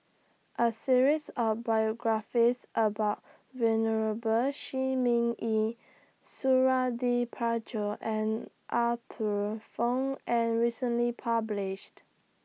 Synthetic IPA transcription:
ʔəsiɹisɔfbajɔɡɹafisʔəbaʊt̚ | vɛnəɹəbəlʃimĩŋi | suɹadipʰat͡ʃoʔɛ̃n | ʔatʰəfãnɛ̃nɹisə̃nlipʰablɪʃt

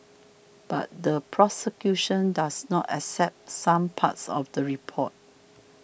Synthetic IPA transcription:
b̥a̰t̚dəpʰɹɔsəkjuʃə̃ndasnɔtɛ̰ksɛp̚tsãmpʰa̰tsɔ̰fdəɹipʰɔ̰t̚

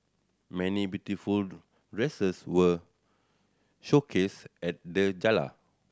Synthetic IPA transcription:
mɛ̃nibjutiful | ɹesəswə | ʃokʰesɛt̚dəd͡ʒala̰

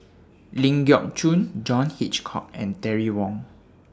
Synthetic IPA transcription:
lĩŋɡjɔk̚t͡ʃũnd͡ʒɔ̃nhit͡ʃkʰɔ̰k̚ɛ̰̃ntɛɹiwɔ̃ŋ

